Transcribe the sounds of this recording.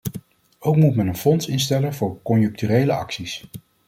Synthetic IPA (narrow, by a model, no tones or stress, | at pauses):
owkmutmɛnənfɔnsɪnstɛlənvʊːɹkɔnjɵŋk̚tyːrejləʔɑ̰ksis